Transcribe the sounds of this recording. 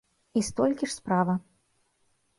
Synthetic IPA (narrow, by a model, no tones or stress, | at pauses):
ist̪ɔlʲkʲiʂspɾavɐ